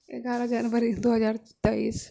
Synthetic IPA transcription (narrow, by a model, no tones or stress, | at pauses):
eɡaːɾad͡ʒaːnbəɾid̪oːɦɐzaːɾt̪aḭːs